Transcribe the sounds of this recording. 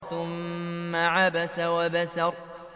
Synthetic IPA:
θʊmːaʕabasawabasa

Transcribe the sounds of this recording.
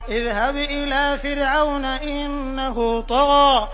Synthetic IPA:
ʔɪðɦabʔɪlaːfɪɾʕawnaʔɪnːaɦʊt̪ˤɑɣɑː

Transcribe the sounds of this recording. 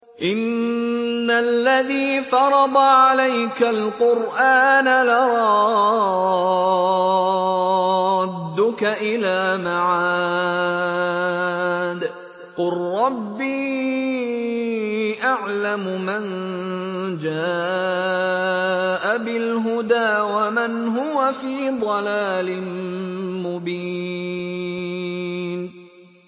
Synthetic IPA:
ʔɪnː | alːaðiːfɑɾˤɑd̪ˤɑʕalajkalqʊɾʔaːnalaɾˤɑɑ | d̪ːʊkaʔɪlaːmaʕa | d̪ | qʊlːˤɑbːiː | ʔaʕlamʊman | d͡ʒaː | ʔabɪlɦʊd̪aːwamanɦʊwafiːd̪ˤɑlaːlɪ | mʊbiː | n

